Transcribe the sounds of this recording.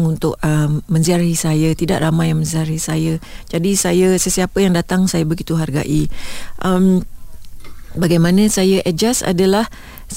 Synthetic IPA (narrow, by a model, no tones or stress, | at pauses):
ŋunt̪ʊk̚əmmə̃nziarhisajət̪ida̰ʔramajaŋmə̃nziarhisajad͡ʒadisajəsəsiapəjaŋdat̪aŋsajabəɡit̪uɦarɡa̰ʔiʔəm | baɡajmãnə̃sajəʔɛd͡ʒasa̰dalah